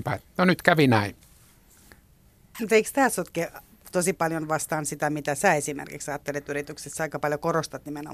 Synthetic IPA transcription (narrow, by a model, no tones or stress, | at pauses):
pænonyt̪kæʋinæin | mut̪eikst̪æːsot̪ke | t̪osipɑljonʋɑst̪ɑːnsit̪æmit̪æsæːesimḛrkḭksɑːt̪ːelet̪yrit̪yksesːɑikɑpɑljokorost̪ɑt̪nimeno̰